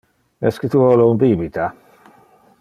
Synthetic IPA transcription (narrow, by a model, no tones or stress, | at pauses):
ɛskət̪uolounbiːbit̪a